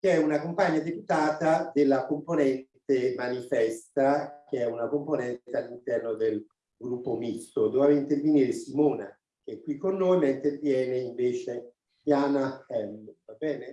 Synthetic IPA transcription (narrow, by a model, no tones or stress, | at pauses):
k̟eɛunakompaɲːad̪eput̪aːt̪ad̪elːakomponɛnt̪emanifɛst̪ak̟eɛunakomponɛnt̪ealːint̪ɛrnod̪el | ɡɾupːomist̪od̪ɔːvaveint̪erveniːɾesimoːna | k̟eɛkːwikːonːoːjmaint̪ervjɛːneiɱveːt͡ʃe | jaːnaxɛmvabɛːne